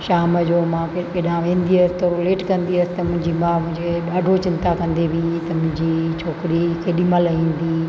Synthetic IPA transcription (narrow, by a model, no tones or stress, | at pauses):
ʃaːməd͡ʑoːmãːkekeɗãʋẽːnd̪iɐsɪ̥t̪ɐɾʊleːʈkɐ̃nd̪iəsɪ̥t̪ɐmʊ̃ɦɪ̃ɲd͡ʑimãːmʊ̃ɦɪ̃ɲd͡ʑkʰeɗaːɖʱot͡ɕɪ̃nt̪akɐ̃nd̪ebit̪ɐmʊ̃ɦɪ̃ɲd͡ʑit͡ɕʰoːkɪɾikʰeːɗiməlɐĩːn̆d̪iː